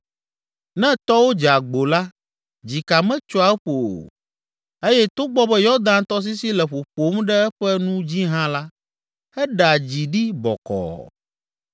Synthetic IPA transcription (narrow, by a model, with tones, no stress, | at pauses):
nɛ̃˦t̪ɔ˦wo˦d͡ʒa˨ɡ͡bo˨la˦ | d͡ʑi˨ka˨mɛ̃˦t͡ʃɔ˦a˨ɛ˦ɸo̰˨ | e˦jɛ˦t̪o˦ɡ͡bɔ˦bɛ˦jɔ˦d̪ã˦nt̪ɔ˦s̬i˦si˦lɛ˨ɸo˨ɸo˨˦mɖɛ˦ɛ˦ɸɛ˦nũ˦d͡ʑi˦ɦã˦la˦ | hɛ˦ɖa˨d͡ʑi˨ɖi˦bɔ̰˨kɔ̰˨